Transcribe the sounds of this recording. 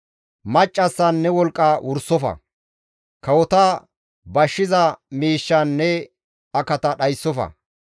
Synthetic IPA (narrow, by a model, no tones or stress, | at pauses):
mɐt͡ʃʼːɐsːɐnːɛwɔlkʼːɐwʔʊɾsːɔfɐ̰ | kɐwɔt̪ɐ | bɐʃːɪzɐmiːʃːɐnːɛ | ɐkɐt̪ɐɗɐjsːɔfɐ̰